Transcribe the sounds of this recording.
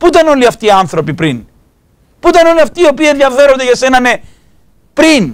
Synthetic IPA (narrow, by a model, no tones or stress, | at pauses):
put̪ɐno̞liɐft̪iːɐnθɾo̞pipɾin | puit̪ɐno̞liɐft̪iːo̞pieðjɐve̞ɾond̪eʝɐse̞nɐne̞ | pɾin